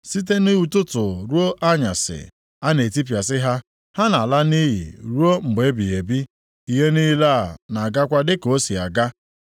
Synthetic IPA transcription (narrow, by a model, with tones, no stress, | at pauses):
si˦t̬e˦ni˦u˨tʊ˦tʊ˨ɾu˦o˦ʔa˦ɲa˨sɪ̰˨ | a˦ne˨ti˦p̬ja˨s̬ɪ˦ɦa˦ | ha˦na˨la˦ni˦ɦḭ˨ɾu˦o˦ŋ͡m̩˨ɡ͡be˨˦bi˨je˨bi˦ | i˨ɦe˦ni˦la˦˨na˨ɡa˦kʷa˦dɪ˦ko˦si˨a̰˨ɡa˦